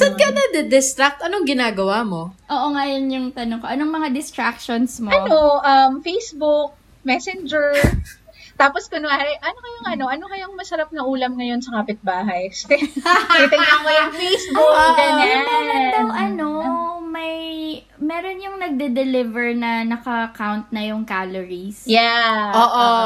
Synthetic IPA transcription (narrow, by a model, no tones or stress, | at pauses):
sɐd̪̚kɐnɐd̪ɛd̪ɪst̪ɾak̚t̪ʔɐnoŋɡɪnaːɡɐwamo̞ʔoːʔoŋɐjonjʊŋt̪ɐnoŋkoʔɐnoŋmɐŋad̪ɪst̪ɾak̚ʃonsmoɐnoʔɐmfejsbʊk̚ | mɛsɛnd͡ʒɛɹ | t̪aːposkʊnaɐjʔɐnokɐjʊŋʔɐno̞ʔɐnokɐjoŋmɐsɐɾap̚nɐʔuːlɐmŋɐjo̞nsɐkaːpɪt̪̚baːɦɐjsɛit̪ɪŋɐkɐjʊŋfejsbʊɡɐɲanɐt̪oŋɐnomɐj | mɛːɾonjʊŋnɐɡ̚d̪ɛd̪ɛlɪvɛɹnɐnɐkɐkawnt̪̚nɐjʊŋkaloɹisjaʔoːʔo